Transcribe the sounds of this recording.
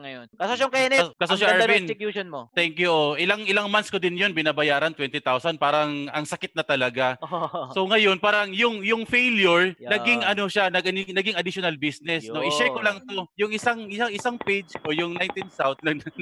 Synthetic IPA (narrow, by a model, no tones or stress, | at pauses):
ŋɐjonkɐsoʃŋkɛnɛkɐsoʃaaɹbinkjuʃonmot̪ɛŋkjuʔoʔɪlaŋʔɪlaŋmanskod̪ɪnjonbɪnaːbɐjaːɾɐnt̪wɛnt̪ɪt̪awsɐn̚paːɾɐŋʔɐŋsɐkɪt̪̚nɐt̪ɐlɐɡaso̞ŋɐjo̞npaːɾɐŋjʊŋjʊŋfejljʊɹnɐɡɪŋʔɐno̞ʃanɐɡʔɐnɪnɐɡɪŋɐd̪ɪʃonɐlbisnɛsnoʔɪʃɛɹkolɐŋt̪ojʊŋʔɪsaŋɪsaŋɪsaŋpejd͡ʒkojʊŋnajnt̪insawt̪̚lɐŋnɐ